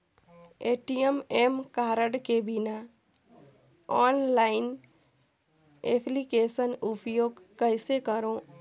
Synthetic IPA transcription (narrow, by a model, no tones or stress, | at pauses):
eːʈijememkaːɾəɖkebina | ɔːnlaːɪn | epʰlikeːsənupjoːɡkəɪsekəɾõ